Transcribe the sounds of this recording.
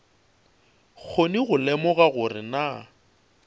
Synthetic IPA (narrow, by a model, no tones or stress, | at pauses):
k͡xʰoniɣʊlɛmɔɣaɣʊrɪna